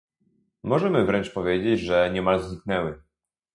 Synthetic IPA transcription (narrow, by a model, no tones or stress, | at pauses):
mɔʐɛmɘvɾɛnt͡ʂpɔvʲjed͡ʑed͡ʑʐɛɲɛmalzɲiknɛwɘ